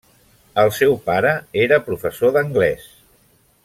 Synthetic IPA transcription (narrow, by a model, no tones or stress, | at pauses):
əlˠsɛwpaɾəeɾəpɾufəsoðəŋɡlɛs